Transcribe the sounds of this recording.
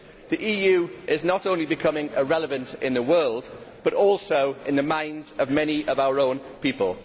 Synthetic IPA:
ðiʔiːjʉːʔɪznətõʊ̃nlibɪkʰʌmɪ̃ŋəɹɛləvə̃ntɪ̃nðəwɜːlˠdb̥ʌɾɔˑlˠsoʊɪ̃nðəmãɪ̃ndzəvmɛniʔəvaʊəɹõʊ̃n | piˑpə̰lˠ

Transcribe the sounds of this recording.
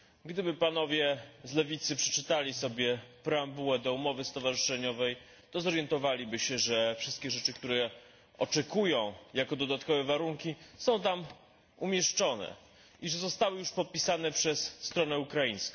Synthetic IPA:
ɡd̪ɘbɘpanɔvʲjɛzlɛvʲit̪sɘpʂɛ̥t͡ʂɘt̪alʲisɔbʲjɛpɾɛambuwɛd̪ɔumɔvɘst̪ɔvaʐɘʂɛɲɔvɛj | t̪ɔzɔɾjɛnt̪ɔvalʲibɘɕɛʐɛfʂɘst̪̚kʲɛʐɛt͡ʂɘkt̪uɾɛ | ɔt͡ʂɛkujɔ̃w̃jakɔd̪ɔd̪at̪kɔvɛvaɾuŋkʲisɔ̃w̃t̪am | umʲjɛʂt͡ʂɔnɛ̰ | iʐɛzɔst̪awɘjuʂpɔt̪̚pʲisanɛpʂɛsːt̪ɾɔnɛukɾajĩɲ̃skɔ̃

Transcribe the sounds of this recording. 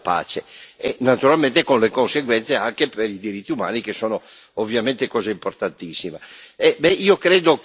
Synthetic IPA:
pa̰ːt͡ʃeenat̪uɾalment̪ekonlekonseɡwɛnt̪seaŋkepeɾid̪iɾit̪ːiuma̰ːnikesːoːno | ovːjament̪ekɔːzaimport̪ant̪isːimaɛbɛʔiːokɾeːd̪o

